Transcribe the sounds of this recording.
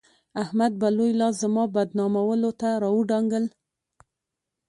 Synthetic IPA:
ahmad̪̚balojlɑzəmɑbad̪nɑmawəlot̪aɾɑwəɖɑŋɡəl

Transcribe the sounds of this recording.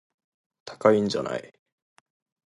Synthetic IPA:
t̪ʰḁkaĩɲd͡ʑa̰nʔa̰i

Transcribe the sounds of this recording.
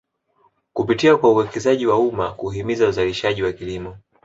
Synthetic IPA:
kupitiakwauwɛkɛzaʄiwaumakuɦimizauzaliʃaʄiwakilimɔ

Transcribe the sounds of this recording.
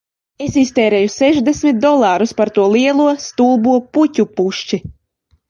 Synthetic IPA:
esist̪ɛːɾɛːjusɛʒd̪esʲmʲit̪̚d̪ɔlˠaːɾuspaɾt̪uɔlˠiɛlˠuɔst̪uːbuɔputʲupuʃt͡ʃi

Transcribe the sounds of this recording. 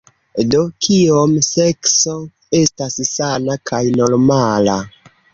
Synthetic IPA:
do̞kʰiomse̞kso̞ | e̞stassanakʰajno̞ɾmala

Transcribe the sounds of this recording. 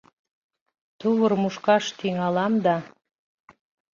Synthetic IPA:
t̪uβərmuʃkɑʃt̪iŋɑlɑmd̪ɑ

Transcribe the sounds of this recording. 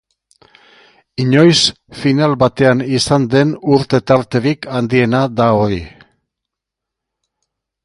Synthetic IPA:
iɲo̞js | finalβat̪e̞anisand̪e̞nuɾt̪e̞t̪aɾt̪e̞ɾikand̪ie̞nad̪aoɾi

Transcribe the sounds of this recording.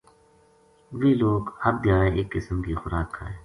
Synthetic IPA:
ʋiːloːɡhɐb̚d̪jaːeeːkːɪsəmkiːxʊɾaːkhaeː

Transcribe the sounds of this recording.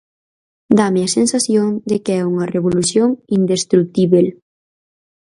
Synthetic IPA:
d̪ameasensasjoŋd̪ekɛuŋareβolusjoŋind̪est̪ɾuk̚t̪iβel

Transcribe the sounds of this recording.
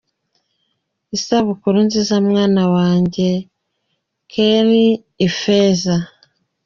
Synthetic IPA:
isaβukuɾunzizamŋaːnawaːɲɟe̞ | kʰeɾiː | feːza

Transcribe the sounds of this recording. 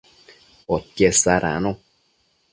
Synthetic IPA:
ɔt̪̚kesaɾa̰no

